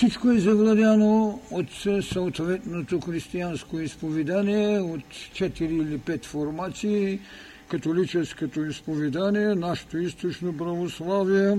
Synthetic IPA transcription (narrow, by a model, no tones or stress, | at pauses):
fsit͡ʃkoɛzɐvlˠad̪ʲanoot̪sɐot̪vɛt̪not̪oxɾist̪ianskoispovɛd̪aniɛot̪t͡ʃɛt̪iɾiːlipɛt̪foɾmat̪siː | kɐt̪olit͡ʃɛskot̪oispovɛd̪aniɛnaʃo̥t̪oist̪ot͡ʃnopɾavoslˠavijɛ